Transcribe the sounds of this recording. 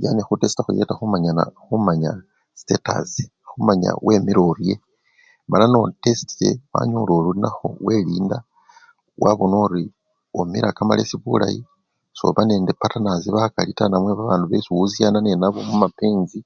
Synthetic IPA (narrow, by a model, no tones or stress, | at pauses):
janexutesi̥taxṵje̞taxumaɲana̰xumaɲa̰ | si̥teta̰zi | xumaɲa̰wʔe̞miɾorje̞ | malano̞te̞si̥tie̞wa̰ɲololuinaxo̞̰we̞liːnda | wʔaβonoɾi | omiɾakama̰le̞̰siβṵla̰ji | so̞̰βane̞ːnde̞patanaziβakalitanamwe̞βaβaːnduβesuuzjanane̞naβomumapeːnzi